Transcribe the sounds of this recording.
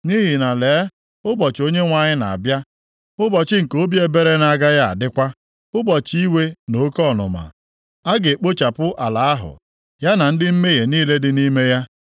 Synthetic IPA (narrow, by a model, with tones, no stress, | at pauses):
ni˦ɦi˨na˨leː˨˦ | ʊ˦bɔ˨t͡ʃo˦ɲe˦ŋʷa˨ɲɪ˦na̰˨a̰˨bja˦ | ʊ˦bɔ˨t͡ʃɪ˦ŋ̩˨ko˦bje˦be˦ɾe˦na˨ɡa˦ja˦a̰˨dɪ˦kʷa˦ | ʊ˦bɔ˨t͡ʃi˦we˦no˦kɔ˦˨nʊ̰˨ma̰˨ | a˦ɡe˨k͡po˦t͡ʃa˨pʊ˦ʔa˨la˨a˦ɦʊ̰˨ | ja˦na˨n̩˦dɪ˦m̩˦me˦ɦe˨niː˦le˦dɪ˦ni˦me˦ja˦